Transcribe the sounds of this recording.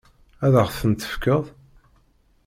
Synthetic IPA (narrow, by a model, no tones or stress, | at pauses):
æðəʁθθənt̪ə̥fkəðˤ